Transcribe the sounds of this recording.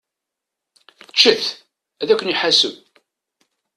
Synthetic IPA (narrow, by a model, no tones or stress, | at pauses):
t͡ʃːəfθ | æðækʷːəniħasəw